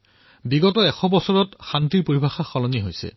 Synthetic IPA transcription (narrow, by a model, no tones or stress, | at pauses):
biɡɔtɔɛxɔbɔsɔɹɔtxantiɹpoɹibʱaxaxɔlɔniɦojsɛ̰